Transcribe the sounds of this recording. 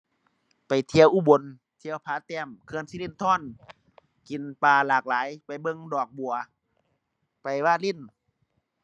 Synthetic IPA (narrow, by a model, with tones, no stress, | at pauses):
pa˨˩jt̪ʰi˧ə˧wʔuː˧˩bo˨˧˦n | t̪ʰi˧˨ə˧wpʰaː˧˦t̪ɛː˧˨mkʰɯ˧ənsi˧˨li˧˥˨nt̪ʰɔː˧˥˨n | ki˨npaː˧laː˨˩k̚laː˨˦jpa˨jbɤ˧˨ŋdɔː˨˩k̚bu˨ɐ | pa˨jwaː˧˩˨li˧˥˨n